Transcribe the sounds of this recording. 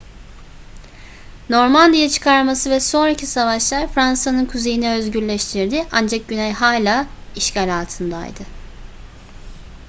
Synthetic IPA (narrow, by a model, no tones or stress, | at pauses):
no̞ɾmand̪ijat͡ʃʰɯ̥kʰaɾmasɯvɛso̞nɾacʰisavaʃlˠaɾfɾansanɯnkʰuzejinɛøzɟyɾlʲɛʃt̪ʰiɾd̪ɪʔand͡ʒak̚ɟynɛjɦaːlʲaːiʃcaːlʲaːlˠt̪ʰɯnd̪a̰jd̪ɯ